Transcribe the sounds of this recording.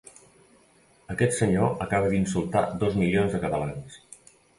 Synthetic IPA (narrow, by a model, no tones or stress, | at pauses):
əkɛt̪səɲoəkaβ̞əðinsulˠt̪a̰d̪ozmilionzðəkət̪əlans